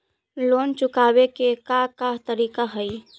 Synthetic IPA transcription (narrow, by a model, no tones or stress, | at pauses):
lont͡ʃukabekekakaɦt̪əɾikaɦəj